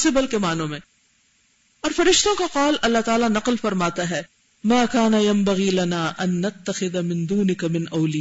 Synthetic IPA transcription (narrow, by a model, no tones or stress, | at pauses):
sɪbɐlkemaːnõmẽː | ɔːɾfɐɾɪʃt̪õkaqɔːlʔɐlːaɦt̪aːlanɐqlfɐɾmaːt̪aɦɛː | maːkaːnɐjɐmbɐɣiːlɐnaːʔɐnːɐt̪ːɐxɪðamɪ̃nd̪uːnɪkɐmɪnʔɐʊlɪ